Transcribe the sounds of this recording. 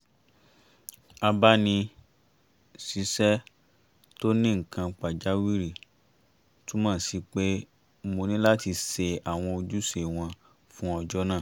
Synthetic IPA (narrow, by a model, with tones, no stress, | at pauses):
a˧ba˦nĩ˧ | si˨˦sɛ˦ | to˦nĩ˦ŋ̩˨kã˧k͡pa˨d͡ʒa˨˦wi˦ɾi˦˨ | tũ˦mãː˦˨si˨˧k͡pe˦ | mo˧nĩ˦la˦ti˧se˧a˨w̃ɔ̃˧o˧d͡ʒu˦se˨w̃ɔ̃˧ | fũ˦ɔ˧˨d͡ʒɔ˦nãː˦˨